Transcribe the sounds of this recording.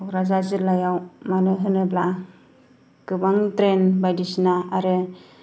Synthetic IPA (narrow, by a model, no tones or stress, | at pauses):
ɾazazɯɾlajawmanɯɦɯnɯbla | kɯbaŋtɾenbajdisnaaɾɯ